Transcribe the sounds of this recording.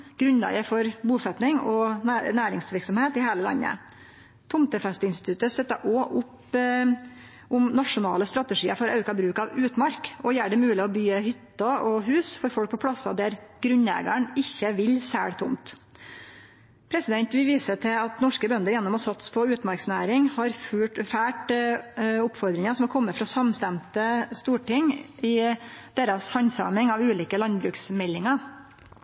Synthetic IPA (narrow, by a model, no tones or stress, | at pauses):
ɡ̥ɾʉnl̰ːɡəfɔɾbuːsɛt̪nɪŋɔnæːɾɪŋsʋɪɾksɔmheːt̪ɪheːləlɑ̰nːə̰ | t̪ʰʊmt̪əfɛst̪əɪnst̪ɪt̪ʉt̪əst̪œt̪ːɑʔɔʔʊp | ʔʊmnɑʂʊnɑ̰ːləst̪ɾɑt̪ɛʂiːəɾfɔɾɑ̰ʉkɑbɾʉːkɑʋʉːt̪mɑɾkɔjæːɖɛmʉːlɪɔbyːəhʏt̪ːɑʔɔɦʉːsfɔɾfɔlk̚pʰɔpʰɽɑsɑd̪æɾɡ̥ɾʉnlæ̰ːɡə̰ɳɪçːəʋɪlsæ̰ːɽt̪ʰʊmt̪ | pʰɾɛsɪd̪ɛnt̪ʋɪʋiːsət̪ʰɪɑt̪nɔʂkəbœnd̪əɾjɛnːɔmɔsɑt̪spʰɔʉːt̪mɑɾksnæːɾɪŋhɑɾfʉːʈfæːʈ | ʊpfɔɾd̪ɾɪŋɑsɔmɛlkʰɔmːəfɾɑsɑmst̪ɛmt̪əst̪uːʈɪŋɪd̪̥eːɾɑshɑnsɑ̰mɪŋɑʋʉːliːkəlɑnbɾʉːksmɛlːɪŋɑ